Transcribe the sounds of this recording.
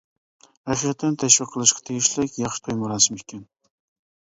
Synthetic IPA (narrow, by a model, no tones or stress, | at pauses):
æχiqt̪ʰːɨnt̪ʰæʃwɪqʰːəlˠɨʃqɑ̥t̪ʰeɡʲɪʃlɪkʲjɑχʃɨ̥t̪ʰojmʊɾɑsɨmekʲʰːɛn